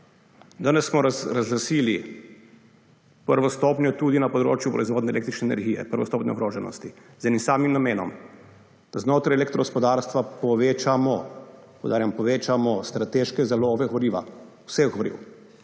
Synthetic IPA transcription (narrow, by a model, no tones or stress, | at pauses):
d̪anɛssmɔɾɾazlasiːli | pəɾʋɔst̪oːpnjɔt̪ud̪inapɔd̪ɾo̰ːt͡ʃjupɾɔizʋoːd̪nɛleːk̚t̪ɾit͡ʃnɛnɛ̰ɾɡijɛ̰pəɾʋɔ̰st̪oːpnjɛ̰ɔɡɾoːʒɛnɔ̰st̪izɛnimsaːmimnameːnɔ̰m | d̪̥aznoːt̪ɾajɛlek̚t̪ɾɔɡospɔd̪aːɾst̪ʋapɔʋet͡ʃamɔpɔwd̪aːɾjampɔʋeːt͡ʃamɔst̪ɾat̪eʃkɛzaloːʋɛɣɔɾiːʋa̰usɛxɡɔɾḭw